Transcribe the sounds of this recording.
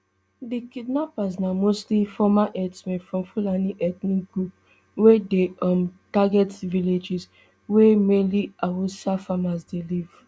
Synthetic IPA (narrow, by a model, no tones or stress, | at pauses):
dikidnapasnamostlifɔmaʔɛdsmɛ̃nfɹɔ̃mfulaniʔɛt̪nikɡɹup | wedeɔ̃mtaɡɛtviled͡ʒis | wemeliawusafamasdeliv̥